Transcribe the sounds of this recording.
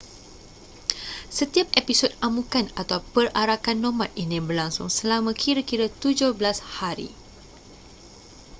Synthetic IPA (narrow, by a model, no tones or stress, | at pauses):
sət̪iap̚episotamukanat̪awpəraɾakanːɔ̃mat̪̚inĩbərlaŋsṵŋsəlamãkʰiɾakiɾat̪ud͡ʒʊhblashaɾḭ